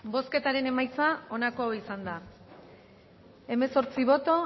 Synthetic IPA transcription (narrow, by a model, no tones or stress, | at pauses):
bo̞ske̞t̪aɾe̞ne̞majt͡sao̞nakooisand̪a | e̞me̞so̞ɾt͡siβ̞o̞t̪o̞